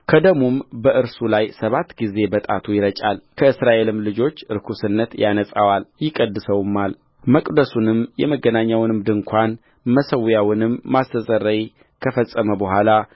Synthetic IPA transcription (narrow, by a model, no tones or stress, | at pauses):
kʰəd̪əɡmumbəʔɨɾsulajsəβat̪ːɡize̞bət̪ʼa̰t̪ʰujɪɾət͡ʃʼalkʰəɨsɾaʔe̞lɨmlɨd͡ʒo̞t͡ʃːɨɾkʰusɨnːət̪janəsʼawaljɪkʼəd̪ːɨsəwɨmːal | məkʼd̪əsunɨmjɛməɡːənaɲːawnɨmd̪ɨŋkʷʰan | məsəwjawɨnɨmːast̪əsʼəɾəj | kʰəfəsʼːəməbəɦʷala